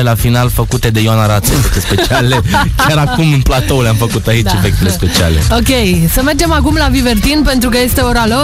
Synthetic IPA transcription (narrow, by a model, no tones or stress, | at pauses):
elafinalfəkut̪e̞d̪e̞joanaɾat̪sefek̚t̪espe̞t͡ʃiale̞kʲaɾakumɨnplat̪oulamfəkut̪ait͡ʃe̞fek̚t̪ele̞spe̞t͡ʃia̰lḛokʲe̞jsəme̞rd͡ʒe̞makumlavive̞rt̪inpe̞nt̪ɾukəje̞st̪e̞oɾalo